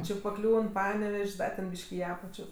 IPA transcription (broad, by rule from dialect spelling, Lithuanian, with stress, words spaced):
ˈt͡ʃʲɪ pɐˈklʲuːn ˈpɑːnʲɛʋʲɛʃʲsʲ ˈdɐ tʲɛn ˈbʲiːʃʲkʲ ɪ ˈɑːpɐt͡ʃʲoː